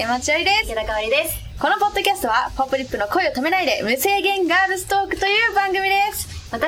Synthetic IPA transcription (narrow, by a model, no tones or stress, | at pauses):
emat͡ɕiaɾid̪eset̪akaβaɾʲid̪es | ko̞no̞po̞d̪ːo̞kʲasɨ̥t̪o̞βapopːɯ̟ɾʲipːɯ̟no̞ko̞io̞t̪ame̞naid̪e̞mɯ̟se̞ːɡẽ̞ŋɡaːbɯ̟sɨ̥t̪o̞ːkɯ̟t̪o̞jɯ̟ːbãŋɡɯ̟mʲid̪e̞smat̪